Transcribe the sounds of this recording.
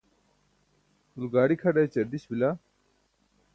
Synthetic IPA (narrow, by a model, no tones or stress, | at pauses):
ulɡaːɽikʰɐɖɐt͡ɕɐɾd̪iɕbila